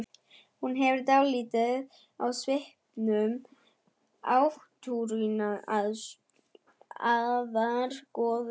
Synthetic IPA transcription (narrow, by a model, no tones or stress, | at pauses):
hunɦɛvɪɾt̪awliːt̪ɪð | a̰wsvɪhpnʏm | awht̪ʰuɾinaað | aðaɾkɔːð